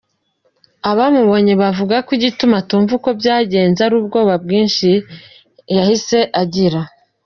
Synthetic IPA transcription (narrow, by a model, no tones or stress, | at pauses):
aβamuβo̞ɲeβavuɡakwiɟitumatuːɱvuko̞bjaːɟe̞ːnzaɾuːb̚ɡo̞ːβabɡiːnʃi | jahise̞ʔaɟiɾa